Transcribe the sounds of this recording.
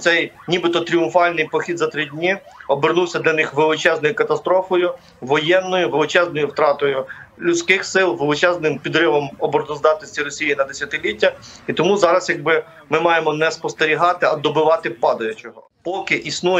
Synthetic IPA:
t̪sɛjnʲibɪt̪ɔt̪ɾʲijʊmfɑlʲnɪjpɔxʲid̪zɐt̪ɾɪdʲnʲi | ɔbɪrnuwsʲɐd̪lʲɐnɪxʋelˠɪt͡ʃɛznɔjʊkɐt̪ɐst̪ɾɔfɔjʊ | ʋɔjɛnːɔjʊʋelˠɪt͡ʃɛznɔjʊwt̪ɾɑt̪ɔjʊlʲʊt͡sʲkɪxsɪlˠʋelˠɪt͡ʃɛznɪmpʲid̪ɾɪʋɔmɔbɔɾd̪ɔzd̪ɑt̪nɔsʲtʲiɾɔsʲijinɐd̪esʲɐt̪ɪlʲitʲːɐit̪ɔmuzɑɾɐsjɐɡ̚bɪ | mɪmɑjemɔnɛspɔst̪eɾʲiɦɑt̪ɪɐd̪ɔbɪʋɑt̪ɪpɑd̪ɐjʊt͡ʃɔɦɔ | pɔkɪʔisnujɛ

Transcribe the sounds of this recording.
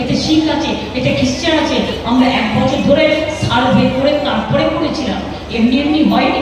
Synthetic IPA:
et̪eʃilat͡ɕʰe | eʈekist͡ɕanat͡ɕʰeamɾaʔɛkbɔt͡ɕʰoɾd̪ʱoɾesʰaɾobʱeɾpoɾet̪aɾpɔɾekoɾet͡ɕʰilam | eɾniemniɦɔeni

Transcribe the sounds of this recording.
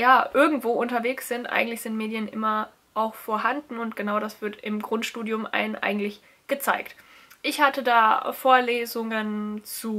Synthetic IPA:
jaːʔɪɐɡŋ̩tv̥oːʔʊntɐveːksz̥ɪntʔa̰ɪɡŋ̩tlɪçz̥ɪntmeːdjənʔɪ̰mɐ | ʔaʊxfoːɐɦandn̩ʊntɡ̥ənaʊɾasv̥ɪɐtɪmɡʁʊntʃtuːdjʊmʔa̰ɪnənʔa̰ɪɡŋ̩tlɪç | ɡ̥ət͡saɪkt | ʔɪçhatədaːfoːɐleːzʊŋənt͡suː

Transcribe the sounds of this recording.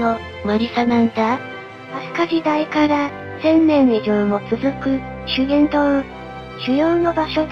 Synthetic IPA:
no | maɾʲisanãnd̪a | asɨ̥kaʑid̪aikaɾa | sẽ̞nːẽ̞nid͡ʑɯ̃o̞t͡sɨzɨkɯ̟ | ɕɨɡẽ̞nt̪oɯ | ɕɨjoːno̞baɕo̞d̪

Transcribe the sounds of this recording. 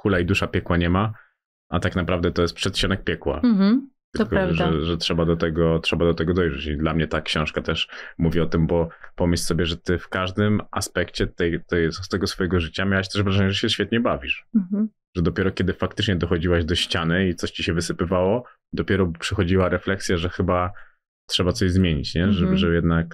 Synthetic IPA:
kulaid̪uʂapʲjɛkwaɲɛma | at̪aknapɾavd̪ɛt̪ɔjɛst̪pʂɛt̪ɕt͡ɕɔnɛk̚pʲjɛkwa̰t̪ɘkɔaʐɛʐɛtʂɛbad̪ɔt̪ɛɡɔtʂɛbad̪ɔt̪ɛɡɔd̪ɔjʐɛt͡ɕid̪lamɲɛt̪akɕɔ̃w̃ʂkat̪ɛʂmuvʲiɔt̪ɘmbɔpɔmɘɕlʲsɔbʲjɛʐɛt̪ɘfkaʐd̪ɘma̰spɛkt͡ɕɛt̪ɛjt̪ɛsst̪ɛɡɔsfɔjɛɡɔʐɘt͡ɕamʲawaɕt̪ɛʂvɾaʐɛɲɛʐɛɕɛɕfʲjɛt̪̚ɲɛbavʲiʂ̩ | ʐ̥ɛd̪ɔpʲjɛɾɔkʲɛd̪ɘfakt̪ɘt͡ʂɲɛd̪ɔxɔd͡ʑiwaʑd̪ɔɕt͡ɕanɘit̪sɔɕt͡ɕiɕɛvɘsɘpɘvawɔ | d̪ɔpʲjɛɾɔpʂɛxɔd͡ʑiwaɾɛflɛksʲjaʐɛxɘba | tʂɛbat̪ɔʑzmʲjeɲit͡ɕɲɛɛʐɛjɛd̪nak̚

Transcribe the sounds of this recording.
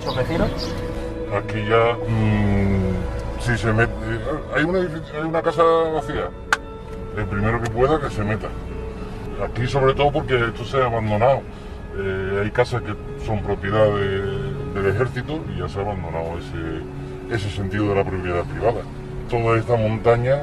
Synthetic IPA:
someθiɾa | akiʝa | sise̞met̪eajunaðifiajunakasaβaθila | elpɾime̞ɾoke̞p̬we̞ð̞ake̞se̞me̞t̪a | akiso̞β̞ɾe̞t̪oop̬o̞ɾkeet̪oseaβand̪o̞naw | eajkasahke̞ | so̞mpɾo̞pjeðaðed̪e̞le̞xe̞ɾθit̪oiʝaseaβand̪o̞nawe̞se | e̞se̞se̞nt̪iðoð̞elapɾopjeðapɾiβ̞aða | t̪o̞ðae̞st̪amõ̞nt̪aɲa

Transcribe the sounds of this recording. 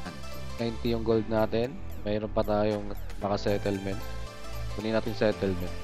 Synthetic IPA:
ʔɐn | najnt̪ijʊŋɡold̪̚naːt̪ɛn | mɛːɾonpɐt̪aːjoŋnɐkɐsɛːt̪ɛlmɛnt̪̚ | kuninaːt̪ɪnsɛːt̪ɛlmɛnt̪̚

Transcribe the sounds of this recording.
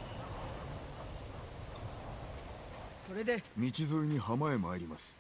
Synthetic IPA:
soɾe̞d̪emʲit͡ɕizɨiɲ̟ihamaemaeɾʲimasɨ̥

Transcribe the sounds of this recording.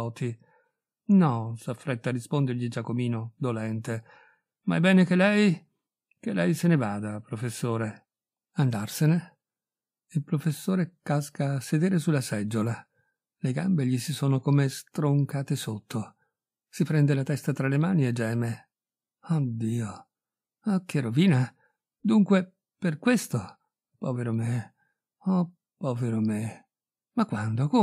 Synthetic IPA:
ɔːt̪i | nɔsafːɾɛt̪ːarispond̪erʎid͡ʒakːomiːnod̪olɛnt̪e | maɛbːɛːnekelɛj | kelɛjsenevaːd̪apɾofesːoːɾe | and̪arsene | ilpɾofesːoːɾekaskaːsed̪eːɾesulasɛd͡ʒːola | leɡambeʎisisoːnokomest̪ɾoŋkaːt̪esot̪ʰːo | sipɾɛnd̪elat̪ɛst̪at̪ɾalemaːnied͡ʒːɛːme | ɔd̪iːo | ɔk̟ːeroviːna | d̪uŋkwe | perkwest̪o | pɔːveɾome | ɔ | pɔveɾome | makːwand̪oko

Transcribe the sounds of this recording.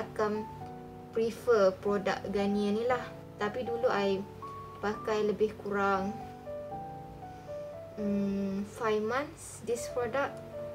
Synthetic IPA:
akam | pɾifəpɾoda̰k̚ɡanĩanĩlah | t̪apiduluʔaj | pakajləbɪhkuɾaŋ | əmfajfmãns | dɪsfɔdaʔ̚

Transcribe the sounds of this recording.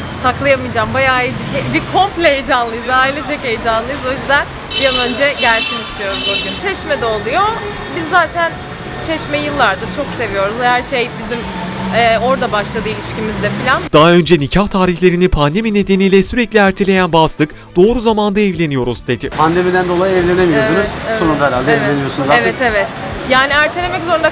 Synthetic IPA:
saklˠajamɯjd͡ʒaːmbajaːbikʰo̞mplʲeejd͡ʒanlˠɯjɯzaːilʲid͡ʒʰɛcejd͡ʒanlˠɯjɯzo̞jyzd̪æn | bijanø̞nd͡ʒɛɟælʲsinist̪ʰijo̞ɾuzboɾʲimt͡ʃʰɛʃmɛd̪ɛolˠujo | bizːaːt̪ʰæn | t͡ʃʰɛʃmɛjɯlˠːaɾd̪ɯɾt͡ʃʰo̞kse̞vijo̞ɾuzhæɾʃe̞jbizim | ɛːo̞ɾd̪abaʃlˠad̪ɯilʲiʃcimizd̪ɛfilʲand̪̥aø̞nd͡ʒɛnicʰaht̪ʰaːɾiçlʲe̞ɾinipʰand̪e̞mine̞d̪e̞nijlʲɛsyɾɛclʲiæɾt̪ʰelʲe̞jænbast̪ˠɯk | d̪̥o̞ːɾuzamand̪aevlʲe̞nijo̞ɾuzd̪e̞d̪ɪpʰand̪e̞mid̪ænd̪o̞lˠajiɛvlʲenemioɾt̪sonunaɛɾalʲd̪ɛɛvlʲenijosunzevɛt̪evɛt̪ | jaːniæɾt̪ʰelʲemɛczo̞ɾund̪a

